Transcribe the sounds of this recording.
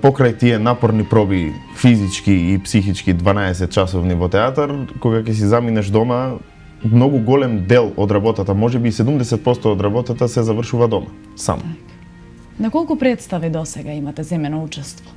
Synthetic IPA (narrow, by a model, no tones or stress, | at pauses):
pɔkɾajt̪iɛnapɔɾnipɾɔbi | fizit͡ʃkiːpsixit͡ʃkid̪vanaɛsɛt̪̚t͡ʃasɔvnivɔt̪ɛat̪aɾkoɡakɛs̬izaminaʃd̪ɔma | mnoɡuɡɔlɛmd̪ɛlˠɔd̪ɾabɔt̪at̪amɔʒɛbisɛd̪umd̪ɛsɛt̪̚pɔst̪ɔːd̪ɾabɔt̪at̪asɛzavərʃuvad̪ɔma̰ | sa̰mɔ̰ | nakɔlˠkupɾɛt̪st̪avid̪ɔsɛɡaimat̪ɛzɛmɛnɔut͡ʃɛst̪vɔ̥